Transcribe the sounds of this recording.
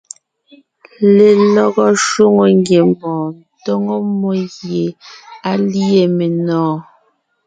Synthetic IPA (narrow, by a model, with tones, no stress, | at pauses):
le˨lɔ˦ɣɔ˦ʃo˦ŋo˨ŋɡje˨m˦bɔ̃ː˨n˨tɔ˦ŋo˦mɔ˦ɣje˨a˦li˦e˨me˨nɔ̃ː˨˦